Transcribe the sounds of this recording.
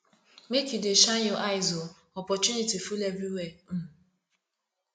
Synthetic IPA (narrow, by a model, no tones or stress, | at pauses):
mekideʃajoʔaɪzo | ɔpɔt͡ʃunitifulebɾiwem̩